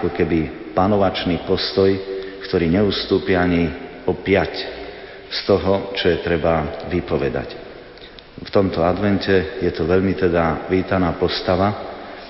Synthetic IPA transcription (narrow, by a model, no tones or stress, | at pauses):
kɔkɛbi | panɔʋat͡ʃniːpɔst̪ɔjkt̪ɔɾiːɲɛust̪uːpiaɲi | ɔpɪac | st̪ɔɦɔt͡ʃɔjɛt̪ɾɛbaʋipɔʋɛd̪a̰c | ft̪ɔmt̪ɔad̪ʋɛncɛjɛt̪ɔʋɛʎmit̪ɛd̪aʋiːt̪anaːpɔst̪aʋa